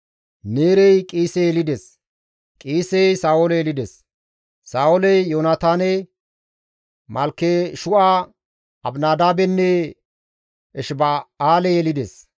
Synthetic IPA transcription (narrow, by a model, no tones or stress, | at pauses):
neːɾɛjkʼiːsɛjɛlɪd̪es | kʼiːsɛjsaːwolɛjɛlɪd̪ɛs | saːwoɔlɛjjoːnat̪aːnɛ | mɐlkːeʃʊʔaː | ɐbnaːd̪aːbɛnːɛ | ɛʃbaaːlɛjɛlɪd̪es